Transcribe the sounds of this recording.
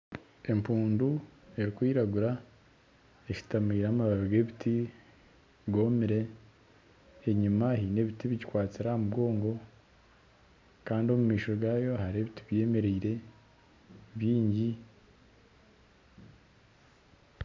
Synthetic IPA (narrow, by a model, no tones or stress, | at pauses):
e̞mpuːndue̞ɾikwiːɾaɡuɾa | eʃi̥tamiːɾaːmaβaβiɡe̞βitʰi | ɡo̞miɾe̞ | ɲumahiːne̞βitiβiɟikwaːt͡siɾamubɡo̞ːŋɡo̞ | kaːndio̞mumiːʃoɾoɡaːjo̞haɾe̞βitiβje̞ːme̞ɾeiɾe̞ | βjiːɲɟi